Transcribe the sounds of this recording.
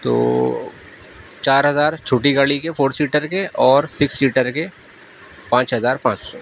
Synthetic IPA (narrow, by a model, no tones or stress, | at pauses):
t̪o̰ː | t͡ʃaːɾɦɐzaːɾt͡ʃʰoːʈiɡaːɭikefʰoːɾsiːʈəɾkeʔɔːɾsɪksliːʈəɾke | pãːt͡ʃɦɐzaːɾpãːt͡ʃsɔː